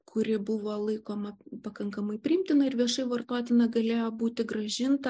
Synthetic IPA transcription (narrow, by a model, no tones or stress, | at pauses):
kʰʊɾʲɪbʊʋoːlˠɐɪkoːmɐpɐkɐŋkɐmɐɪpʲɾʲɪɪmʲt̪ʲɪnɐɪɾʋʲiɛʃɐɪʋɐrt̪oːt̪ʲɪnɐɡɐlʲeːjoːbuːt̪ʲɪɡrɐʒʲɪnt̪ɐ